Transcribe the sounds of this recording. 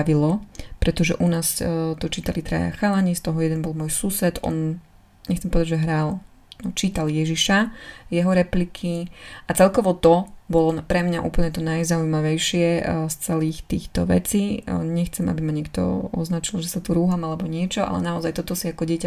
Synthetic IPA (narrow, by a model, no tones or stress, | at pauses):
ʋilɔpɾɛt̪ɔʒɛ̰ʔunaːst̪ɔt͡ʃiːt̪alit̪ɾa̰ja̰xalaɲist̪ɔɦɔjɛd̪ɛnbɔlmʊɔjsuːsɛt̪ʔɔ̰n | ɲɛxt͡sɛmpɔʋɛd̪aɟd͡ʒʒɛɦɾal | nɔt͡ʃiːt̪aljɛʒiʃajɛɦɔɾɛplikʰiat͡sɛlkɔʋɔt̪ɔbɔlɔpɾɛmɲaʔṵːpl̩ɲɛt̪ɔnajzaujmaʋɛjʃɪɛst͡sɛliːxt̪ḭːxt̪ɔ̰ʋɛ̰t͡siːɲɛxt͡sɛma̰bimaɲɛk̚t̪ɔ̰ɔ̰znat͡ʃilʒɛsat̪uɾuːɦamalɛbɔɲɪɛt͡ʃɔʔa̰lɛ̰naɔzajt̪ɔt̪ɔsiakɔɟɪɛca